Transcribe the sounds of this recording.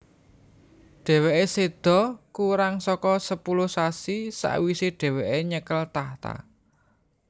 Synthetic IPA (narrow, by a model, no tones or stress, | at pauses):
ɖ̥e̤weʔesed̪̥ɔ̤kuɾaŋsɔkɔsəpulʊhsasisa̰ʔwiseɖ̥ɛ̤weʔeɲəkəlt̪aht̪a̰